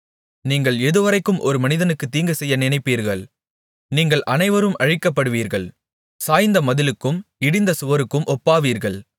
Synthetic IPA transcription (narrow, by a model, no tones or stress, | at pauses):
niːŋɡɐɭɛðɯʋɐɾɐɪkːɯmʔɔɾɯmɐnɪðɐnɯkːɯt̪ːiːŋɡɐsɛjːɐnɪnɐɪpːiːɾɣɐɭ | niːŋɡɐɭʔɐnɐɪʋɐɾɯmʔɐɻɪkːɐpːɐɽɯʋiːɾɣɐɭ | saːjnd̪ɐmɐðɪlɯkːɯmɪɽɪnd̪ɐsʊʋɐɾɯkːɯmʔɔpːaːʋiːɾɣɐɭ